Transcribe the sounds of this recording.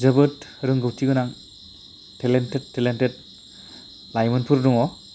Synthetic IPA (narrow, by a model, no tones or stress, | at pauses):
zɐbɯtɾɯŋɡɯwtʰiɡɯnaŋ | tʰelentetʰːelentet̚ | lajmɯnpʰuɾduŋɔ